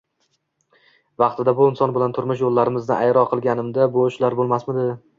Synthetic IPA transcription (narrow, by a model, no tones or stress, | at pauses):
vɑqt̪ʰɪd̪abʊɪnsɒnbɪlant̪ʰʊɾmʊʃ̬jolːaɾɪmɪznɪʔajɾɒqʰɨlˠɡʲanɪmd̪abʊʃlaɾbolˠmasmɪd̪ɪ